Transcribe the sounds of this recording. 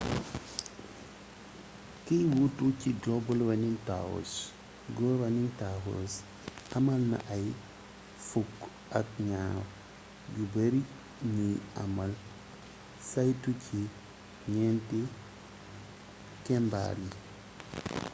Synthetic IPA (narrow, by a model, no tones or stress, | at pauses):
kijwutucidɔbɔlwanintawo̰s | ɡɔwanintaɦo̰s | ʔɐmɐlna̰ʔaj | fuk | ak̚ɲaf | ɟubeɾi | ɲiamal | sajtucʰi | ɲɛnti | kɛmba̰ɾi